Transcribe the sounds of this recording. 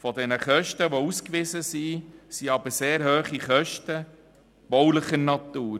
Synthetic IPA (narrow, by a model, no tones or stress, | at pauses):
fɔdɛnəχœʃtəʋouskʋɪzəsisiɑbəɾseːɾhøːχiχœʃtə | b̥ɔwləχəɾnɑt̪uːɾ